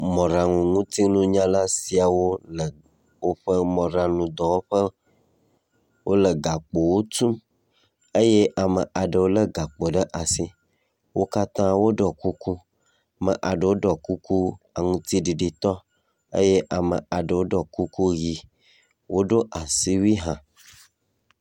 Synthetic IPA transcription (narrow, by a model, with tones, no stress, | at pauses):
mɔ̃˨ɾa˨ŋũ˨ŋũ˦t̪i˦nũ˦ɲã˦la˦si˨a˨wo˦lə˨ | wo˦ɸə˦mɔ̃˨ɾã˨nũ˨d̪ɔ˨wo˦ɸə˦ | wʔo˦lə˨ɡa˨k͡po˨wo˦t̪ũ˦m | ə˦je˦ʔa˨mə˨ʔa˨ɖə˨wo˦lə˦ɡa˨k͡po˨ɖə˦ʔa˨si˦ | wo˦ka˦t̪ã˦wo˦ɖɔ˨ku˦ku˦˨ | mə˨ʔa˨ɖə˨wo˦ɖɔ˨ku˦ku˦ | a˨ŋũ˦t̪i˦ɖi˨ɖi˨t̪ɔ˦ | ə̰˦je˦ʔa˨mə̰˨a˨ɖə˨wo˦ɖɔ˨ku˦ku˦ɣi˨ | wo˦ɖo˦ʔa˨si˦wi˦ɦã˨